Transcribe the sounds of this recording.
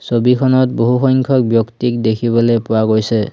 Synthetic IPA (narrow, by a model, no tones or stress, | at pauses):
sobikʰɔnɔt̚boɦuxɔjŋkʰɔkbjɔktik̚dekʰibɔlojpʊwaɡojsɛ